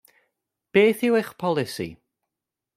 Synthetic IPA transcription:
b̥eːθɪweχpʰɔlˠɪsḭ

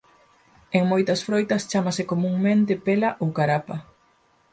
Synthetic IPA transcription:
eŋmojt̪ɐsfɾojt̪ɐst͡ʃamasɪkomuŋmẽnt̪ɪpelaʔowkaɾapa

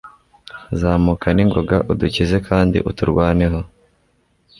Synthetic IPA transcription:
zaːmukaniŋɡo̞ɡaʔuducize̞kʰaːndḭʔutuɾɡwaːne̞ɦo̞

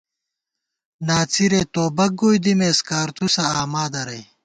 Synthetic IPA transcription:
naːt͡sʰiɾeːt̪oːbɐɡoːjd̪imeːskaːɾt̪usɐːmaːd̪ɐɾɐj

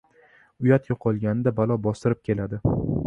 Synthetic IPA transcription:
ʊjat̪jɒqʰɒlˠɡʲanɪd̪abalˠɒbɒst̪ɪɾɪp̚kʲʰe̞lad̪ɪ

